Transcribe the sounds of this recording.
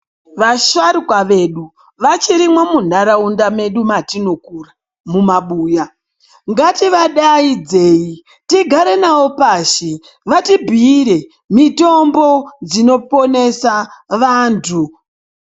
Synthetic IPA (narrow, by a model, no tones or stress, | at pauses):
ʋaʃwaɾikwaʋe̞ɗu | ʋat͡ʃiɾimwamun̤aɾaundame̞ɗumatino̞kuːra | mumaɓuːja | ŋɡatiʋaɗaid͡zeːi | tiɡʱaɾe̞nawo̞paːʃi | ʋatibʱiːɾe | mito̞mbo̞d͡zino̞po̞ne̞saʋaːntʰu